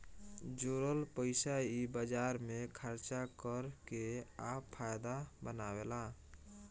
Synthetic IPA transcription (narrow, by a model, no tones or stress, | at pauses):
d͡ʒoɾəlpəɪsaibəd͡ʒaɾmekʰəɾt͡ʃakəɾkeapʰːajd̪abənawela